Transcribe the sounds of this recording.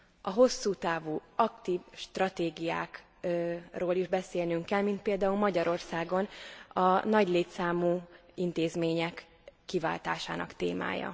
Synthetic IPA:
ɒɦo̞sːuːt̪aːvuːɒkt̪iːvʃt̪rɒt̪eːɡija̰ːk | roːliʒbɛseːlnyŋkːɛlmint̪̚peːld̪aːulmɒɟɒɾo̞rsaːɡo̞nɒnɒɟleːt̪saːmuːint̪eːzmeːɲɛkː | iva̰ːlt̪aːʃa̰ːnɒ̰kt̪ḛːma̰ːjɒ̰

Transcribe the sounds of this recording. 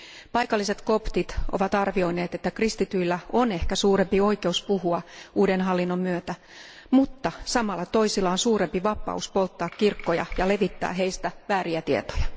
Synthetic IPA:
pɑjkɑlːise̞t̪ko̞pt̪it̪o̰ʋɑt̪ɑrʋio̞ine̞ːt̪et̪ːækrist̪it̪yilːæʔone̞hkæsuːɾe̞mpio̞ike̞uspuhuɑuːde̞nɦɑlːinːo̞mːyøt̪æ | mut̪ːɑsɑmɑlːɑt̪o̞isilːɑonsuːɾe̞mpiʋɑpːˑɑ̰uspo̞lt̪ːɑːkkːirkːojɑ̰jɑle̞ʋit̪ːæ̰ːɦe̞ist̪æʋæːɾiæt̪iet̪o̥jɑ̥

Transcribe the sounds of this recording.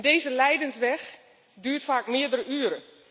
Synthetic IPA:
deːzəlɛjdənsʋɛx | dyːrtfaːkmɪədərəʔyːɾə

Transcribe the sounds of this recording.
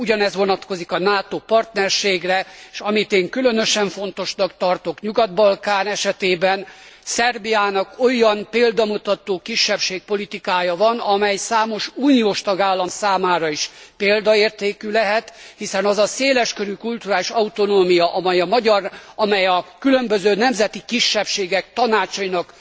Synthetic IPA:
uɟɒnɛzʋo̞nɒt̪ko̞zikɒnaːt̪opɒrt̪nɛrʃeːɡrɛeʃɒmit̪eːŋkylø̞nøʃɛɱfo̞nt̪o̞ʃnɒkt̪ɒrt̪o̞kɲuɡɒd̪̚bɒlkaːnɛʃɛt̪eːbɛnsɛrbijaːnɒko̞jɒnpeːld̪ɒmut̪ɒt̪oːkiʃːɛpʃeːk̚po̞lit̪ikaːjɒvɒnɒmɛjsaːmo̞ʃuːnioːʃt̪ɒɡaːlːɒmsaːmaːɾɒiʃpeːld̪ɒeːrt̪eːkylɛɦɛt̪hisɛnɒzɒseːlɛʃkøɾykult̪uɾaːliʃɒut̪o̞noːmijɒʔɒmɛjɒmɒɟɒrɒmɛjɒkylømbøzøːnɛmzɛt̪ikiʃːɛpʃeːɡɛkt̪ɒnaːt͡ʃɒinɒk

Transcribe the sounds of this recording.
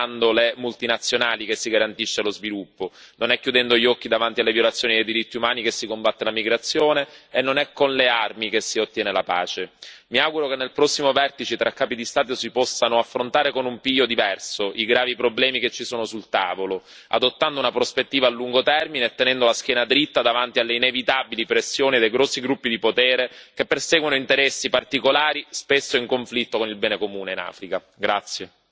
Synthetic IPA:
and̪olemult̪inat̪sːjonaːlikesːiɡaɾant̪iʃːelozvilupːononɛkːjud̪ɛnd̪oʎːɔk̟ːid̪avant̪ialːevjolat̪sːjoːnid̪ejd̪iɾit̪ːiumaːnikesːikombat̪ːelamiɡɾat̪sːjoːneːnːonɛkːonlearmikesːiot̪ːjɛːnelapa̰ːt͡ʃemiaɡuɾokenːelpɾɔsːimovɛrt̪it͡ʃet̪ɾʔakːaːpid̪ist̪aːt̪osipɔsːanoafːɾont̪aːɾekonumpiʎːod̪ivɛrsoʔiɡɾaːvipɾoblɛːmiket͡ʃːisoːnosult̪aːvolo | a̰d̪ot̪ːand̪ounapɾospet̪ːiːvaːlːuŋɡot̪ɛrmineːt̪ːenɛnd̪olask̟jɛːnad̪ɾit̪ːad̪avant̪ialːeinevit̪abilipɾesːjoːnid̪ejɡɾɔsːiɡɾupːid̪ipot̪ɛːɾekepːersɛːɡwonoint̪eɾɛsːipart̪ikolaːɾispesːoiŋkoɱflit̪ːokonilbɛːnekomuːneina̰ːfɾika | ɡɾat̪sːje

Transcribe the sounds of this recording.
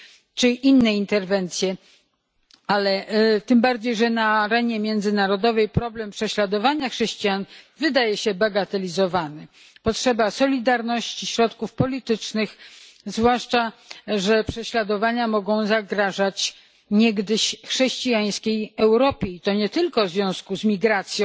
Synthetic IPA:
t͡ʂɘʔinːɛint̪ɛɾvɛnt̪sʲjɛ | alɛt̪ɘmbaɾd͡ʑejʐɛnaɾɛɲɛmʲjɛnd̪zɘnaɾɔd̪ɔvɛjpɾɔblɛmpʂɛɕlad̪ɔvaɲaxʂɛɕt͡ɕijanvɘd̪ajɛɕɛbaɡat̪ɛlʲizɔvanɘ | pɔtʂɛbasɔlʲid̪aɾnɔɕt͡ɕiɕɾɔt̪kufpɔlʲit̪ɘt͡ʂnɘx | zvwaʂt͡ʂaʐɛpʂɛɕlad̪ɔvaɲamɔɡɔ̃w̃zaɡɾaʐat͡ɕ | ɲɛɡd̪ɘɕxʂɛɕt͡ɕijaj̃skʲejɛwɾɔpʲjit̪ɔɲɛt̪ɘlkɔvzvʲjɔ̃w̃skuzmʲiɡɾat̪sʲjɔ̃

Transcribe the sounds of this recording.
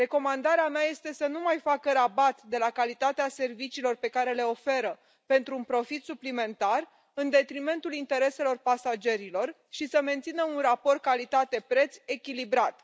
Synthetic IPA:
ɾe̞ko̞mand̪aɾeameaje̞st̪e̞sənumajfakəɾabat̪d̪e̞lakalit̪at̪ease̞rvit͡ʃiːlo̞rpe̞kaɾe̞le̞o̞fe̞ɾə | pe̞nt̪ɾuːnpɾo̞fit̪suplime̞nt̪ar | ɨnd̪e̞t̪ɾime̞nt̪ulint̪e̞ɾe̞se̞lo̞rpasad͡ʒe̞ɾilo̞r | ʃisəme̞nt̪sinəunrapo̞rt̪̚kalit̪at̪e̞pɾe̞t̪sʲe̞kʲilibɾat̪

